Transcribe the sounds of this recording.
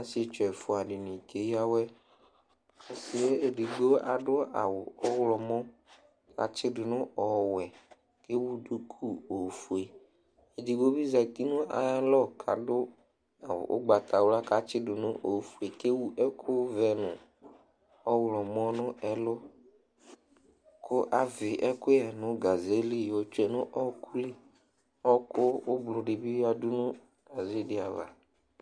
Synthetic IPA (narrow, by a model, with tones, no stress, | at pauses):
ã˨˦sɪ˦e˨˦t͡ʃɛ˨fʊ˨a˨ɖɪ˨nɪ̃˨ke˨˦ja˦wɛ˦ | a˨sɪ˨e˦e˨di˨ɡ͡bo˦a˨ɖʊ˦a̰˨wʊ˨ɔ˦wlɔ˨mɔ̃˦ | ka̰˨t͡ʃɪ˦dʊ˨nʊ̃˦ɔ˨wɛ˨ | ke˦wu˦du˦kʰu˦o˨fu˨e˨ | e˨di˨ɡ͡bo˦bi˦za˨t̪i˦nʊ̃˦ʔa̰˨˦lɔ˦kʰa̰˨dʊ˦ | a̰˨ʔʊ̰˦ɡ͡ba˨t̪a˨wʊ˦la˦ka˨t͡ʃɪ˦dʊ˨nʊ˦ʔo˨fu˨e˨ke˦wu˦ʔɛ˦kʰʊ˦vɛ˨nʊ˨ | ɔ˦wlɔ˨mɔ˦nʊ˦ɛ˨lʊ˦ | kʰʊ˦ʔa˦vɪ˨ʔɛ˦kʊ˦ɛ˨nʊ˦ɡa˨ze˨˦li˦jɔ˨t͡ʃu˦ɛ˨nʊ˦ʔɔ˦kʰu˦lɪ˦ | ɔ˦kʊ˦ʊ˦blʊ˨ɖɪ˨bɪ˦a˨dʊ˦nʊ˦ | ɡa˨ze˦di˦a˨va̰˨